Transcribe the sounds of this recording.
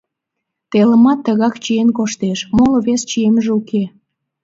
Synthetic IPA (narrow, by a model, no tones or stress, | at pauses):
t̪eləmɑt̪ːəɣɑkt͡ɕienkoʃt̪eʃmoloβest͡ɕieməʒeuke